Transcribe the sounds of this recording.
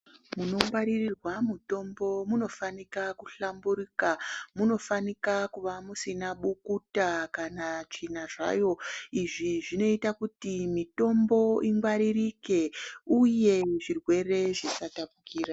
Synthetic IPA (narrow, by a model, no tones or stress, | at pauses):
muno̞ŋɡwaɾirirwamuto̞mbo̞muno̞fanikakuɬambuɾikamuno̞fanikakuʋamusinaɓukutakanat͡ʃinaʐa̰jo̞iʐiʐino̞itakutimito̞mbo̞iŋɡwaɾirike̞uje̞ʐirwe̞re̞ʐisatapukiːɾa